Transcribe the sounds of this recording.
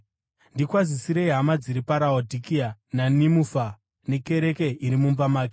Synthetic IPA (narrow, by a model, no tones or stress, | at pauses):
ndikwazisiɾeiɦamad͡ziɾipaɾaodʱikiananimufa | ne̞ke̞ɾe̞ke̞iɾimumbamaːke